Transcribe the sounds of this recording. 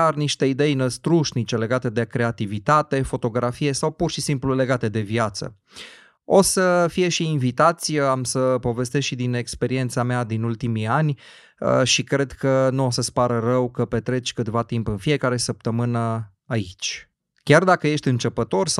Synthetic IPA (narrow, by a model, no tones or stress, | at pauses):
arniʃt̪e̞id̪e̞jnəst̪ɾuʃnit͡ʃe̞le̞ɡat̪e̞d̪e̞kɾe̞at̪ivit̪at̪e̞fo̞t̪o̞ɡɾafije̞sawpurʃisimplule̞ɡat̪e̞d̪e̞vjat̪sə̰ | osəfije̞ʃiːnvit̪at̪sʲəamsəpo̞ve̞st̪esʃid̪ine̞kspe̞ɾie̞nt̪samead̪inult̪imianʲ | əʃikɾe̞d̪kənuo̞səspaɾərəwkəpe̞t̪ɾe̞t͡ʃʲkɨt̪vat̪impɨnfije̞kaɾe̞səp̚t̪əmɨnə | ait͡ʃʲ | kʲard̪akəje̞ʃt̪ʲɨnt͡ʃəpət̪o̞rs